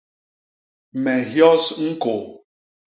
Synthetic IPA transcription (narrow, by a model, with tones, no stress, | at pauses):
me˨ɦjɔ˦sŋ̩˦ko˨